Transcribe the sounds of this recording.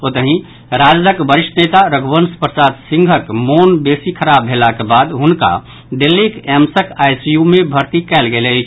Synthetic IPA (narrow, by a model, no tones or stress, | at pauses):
ot̪əɦĩ | ɾad͡ʒləkbəɾiʃʈənet̪aɾəɡbənspɾəsad̪sĩŋɡʱəkmonbesikʰəɾabʱɦelakebad̪ɦunka̰ | ɖelːikɛmsəkajsijumebʱəɾt̪ikɛlɡelət͡ʃʰ